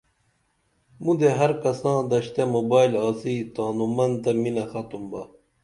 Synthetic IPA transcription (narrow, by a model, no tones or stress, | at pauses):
mũd̪eɦɐɾkɐsãːd̪ɐɕt̪emoːbaːilaːsit̪aːnumɐnt̪ɐminɐxɐt̪umbɐ